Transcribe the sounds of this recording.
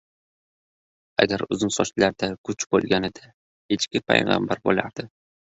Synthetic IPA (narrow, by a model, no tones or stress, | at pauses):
a̰ɡʲaɾʊzɪnsɒt͡ʃlaɾd̪akʰʊt͡ʃbolˠɡʲanɪd̪a | he̞t͡ʃkʲɪpʰa̰jʁɑ̰mbaɾbolaɾd̪̥ɪ